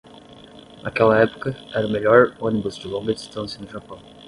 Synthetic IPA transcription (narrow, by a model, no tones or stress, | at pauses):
nʔakɛlɐɛpʊ̥kɐɛɾɐʊmeʎɔɾõnibʊzd͡ʒɪlõɡɐd͡ʒist̪ɐ̃sjɐnʊʒapɐ̃w̃